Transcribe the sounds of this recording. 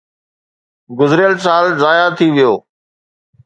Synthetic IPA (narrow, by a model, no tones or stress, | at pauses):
ɡʊzɾɪjəlsaːlzaːjat̪ʰiʋɪjoː